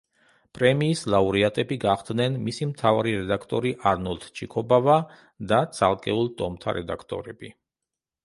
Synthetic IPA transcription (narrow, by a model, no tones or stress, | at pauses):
pʼɾɛmiːslˠauɾiat̪ʼɛbiɡaχd̪nɛnmisimt̪ʰavaɾiɾɛd̪akʰt̪ʼɔɾiʔaɾnulˠt̪ʰt͡ʃʰikʰɔbava | d̪at̪sʰalˠkʼɛulˠt̪ʼɔmt̪ʰa̰ɾɛd̪a̰kʰt̪ʼɔ̰ɾɛbi